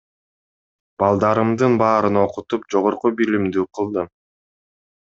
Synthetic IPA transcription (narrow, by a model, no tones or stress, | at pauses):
b̥ɑlˠd̪ɑɾɯmd̪ɯnbɑːɾɯno̞qut̪up̚d͡ʒo̞ʁo̞ɾqubilimd̪yqʰɯlˠd̪ɯ